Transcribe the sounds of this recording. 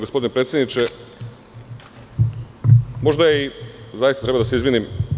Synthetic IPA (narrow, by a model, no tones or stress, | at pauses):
ɡospo̞d̪inepɾet̪sjed̪nit͡ʃe | mo̞ʒd̪ajeizajisat̪ɾead̪aseizʋinim